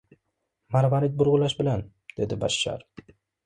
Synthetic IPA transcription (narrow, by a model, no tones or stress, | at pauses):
maɾvaɾit̪̚bʊɾʁʊlaʃbɪlan | d̪̥e̞d̪ɪba̰ʃːa̰ɾ